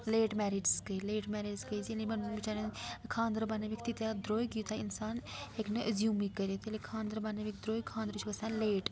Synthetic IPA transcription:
leːʈmɛːɾiɖskəileːʈmɛːɾeːɖzkəiːd͡ʒilemɐnbɪt͡ʃaːɾeːkʰãːnd̪əɾbaːneːʋikʰt̪it̪jaːd̪ɾoːikiuːt̪ʰaɪnsaːnekneʔəzjuːmikːəɾeːt̪elekʰãːnd̪əɾbaːneːʋɪk̚d̪ɾoːikʰãːnd̪ɾt͡ʃʰʋəsãːleːʈ

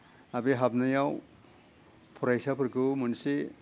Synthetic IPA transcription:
abiɦabnajaw | pʰɔɾajsapʰɯɾkɯmɔnse

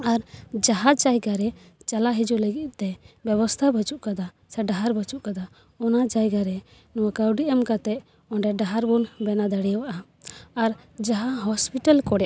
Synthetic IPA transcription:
aɾd͡ʒaɦat͡ʃajɡaɾɛ | t͡ʃalaɦid͡ʒuləɡit̪̚ˀt̪ɛbjɛbɔst̪ʰabət͡ʃuʔkad̪a | sɛɖaɦaɾbət͡ʃuʔkad̪a | ɔnad͡ʒajɡaɾɛ | nɔwakawɖiʔəmkat̪ɛʔ | ɔɳɖɛɖaɦaɾbunbɛnad̪aɽijwaʔa | aɾd͡ʒaɦaɦɔspiʈalkɔɽɛja

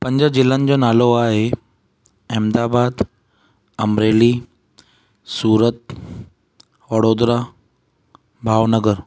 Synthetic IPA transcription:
pəɲd͡ʑəd͡ʑɪlːãnd͡ʑonaloaːɦe | emd̪aːbad̪ | əmɾeːliː | suːɾət̪ | ʋəɽod̪ɾa | bʱaːʋnəɡəɾ

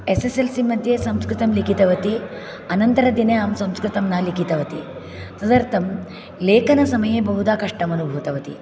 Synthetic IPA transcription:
eseselsimɐnt̪jeːsɐmskɾit̪ɐmlikit̪ɐʋɐt̪i | ɐnɐnt̪ɐɾɐd̪inɐjaːmsɐmskɾit̪ɐmnalikit̪ɐʋɐt̪i | t̪ɐd̪ɐɾt̪ʰɐm | leːkɐnɐsɐmɐjeːbɐɦud̪aːkɐʂʈɐmɐnubʱuːt̪ɐʋɐt̪ḭ

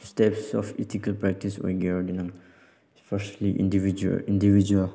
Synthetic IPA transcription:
stɛpsɔ̰fɛ̰tikalpɹɛk̚tiswɛ̰ɡɛɔɹdinãn | sfɛʃliʔḭ̃ndivid͡ʒ̰ĩndivid͡ʒuəl

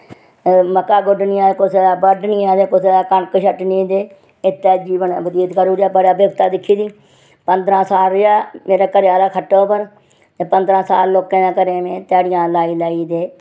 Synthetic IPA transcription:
məkaːɡʊɖniãːkʊsebəɖniːãːd̪eːkʊseːkəɳkʃəʈnĩːd̪eː | ɪt̪ːɛːd͡ʒiːʋənːbəd̪iːt̪kəɾuːɾaːbəɽaːbjəɡt̪aːd̪ɪkʰːiːd̪iː | pənd̪ɾãːsaːlɪaːmeːɾaːkəɾɪjaːlaːkʰəʈːoːpəɾ | eːpənd̪ɾãːsaːlloːkẽːnãːkəɾẽːnẽːt̪ɛːɽɪjãːlaːiːlaːiːd̪eː

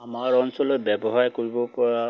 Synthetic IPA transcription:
amaɹɔnsɔlɔtbɛbɔɦajkoɹibɔpɔɹa

